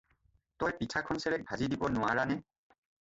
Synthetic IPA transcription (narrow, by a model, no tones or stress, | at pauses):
tɔjpitʰakʰɔnsɛɹɛk̚bʱazidibɔnʊwaɹanɛ